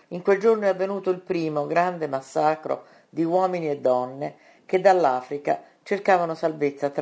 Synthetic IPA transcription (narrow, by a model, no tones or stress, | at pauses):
iŋkweld͡ʒornoɛavːenuːt̪oilpɾiːmoɡɾand̪emasːaːkɾo̰ | d̪iwɔːminied̪ːɔnːe | ked̪alːaːfɾika̰ | t͡ʃerkaːvanosalvet̪sːat̪